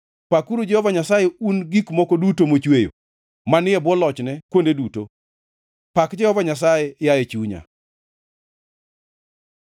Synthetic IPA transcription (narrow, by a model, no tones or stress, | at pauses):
pakuɾud͡ʒɛhɔvaɲasajeunɡikmɔkodutomot͡ʃwejo̰ | manɪɛbwɔlɔt͡ʃnɛkwondeduto | pakd͡ʒɛhɔvaɲas̬ajɛjajet͡ʃuɲa̰